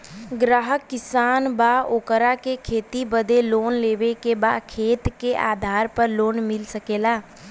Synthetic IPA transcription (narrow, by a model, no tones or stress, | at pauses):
ɡɾaːɦəkːɪsaːnbaːoːkəɾakekʰeːt̪ibəd̪eloːnleːʋekebaːkʰeːt̪keʔaːd̪ʱaːɾpəɾloːnmɪlsəkeːlaː